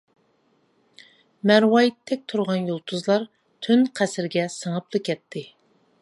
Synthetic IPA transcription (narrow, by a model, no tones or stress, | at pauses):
mɛɾwɑjit̪ʰːɛk̚ʲt̪ʰuɾʁɑnjolˠt̪ʰuzlˠɑɾ | t̪ʰynqʰæsɪɾɡʲɛsəŋəplˠɨkʲʰɛt̪ʰːɪ